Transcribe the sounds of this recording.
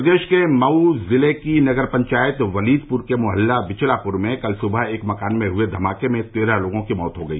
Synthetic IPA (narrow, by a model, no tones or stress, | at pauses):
d̪eːʃkemɐuzɪlekinɐɡəɾpɐ̃ɲt͡ʃaːjət̪ʋɐliːd̪pʊɾkemʊɦəlːabɪt͡ʃlapʊɾmẽkɐlsʊbʱəeːkmɐkaːnmẽɦʊed̪ʱɐmaːkemẽt̪eːɾaloːɡõkimɔːt̪ɦoɡɐiː